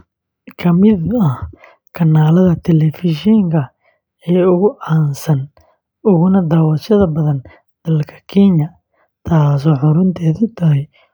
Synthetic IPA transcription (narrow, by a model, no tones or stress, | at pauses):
kʰɐmɪd̪ɐh | kʰɐnːaːlɐðɐt̪ʰɛlɛfɪʃɛŋkʰɐ | ɛːʊɣʊʔaːnsɐn | ʊɣʊnɐd̪aːwɐʃɐðɐbɐðɐn | d̪̥ɐlkʰɐ̥kʰinjɐ | t̪ʰaːs̬ɔːħʊɾʊnt̪ʰɛːðɪt̪ʰɐɦɛj